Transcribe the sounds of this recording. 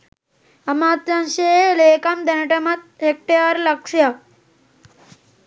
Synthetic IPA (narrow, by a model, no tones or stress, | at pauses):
ɐmaːt̪ɾɐnʃeːleːkɐmd̪ɐnɐʈɐmɐt̪̚hek̚ʈejɐɾlɐkʂjɐ